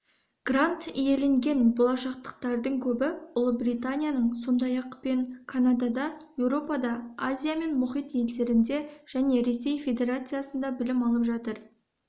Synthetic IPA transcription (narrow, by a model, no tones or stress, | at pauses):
ɡ̥rant̪ije̞le̞ŋɡʲe̞nbo̞lˠɑʃɑq̚t̪ə̥q̚t̪ɑɾd̪əɴkʲʰɵbɪʊlˠəbrijt̪anʲijanəɴso̞nd̪ɑjɑqpe̞ŋkʰanad̪ad̪ɑje̞wɾo̞pɑd̪ɑazʲijame̞nmʊχijt̪je̞ld̪e̞ɾɪnd̪e̞ʒ̥æne̞ɾe̞se̞jfʲe̞d̪e̞ɾat̪sɨjasənd̪ɑbɪlɪmɑlˠəpʒɑt̪əɾ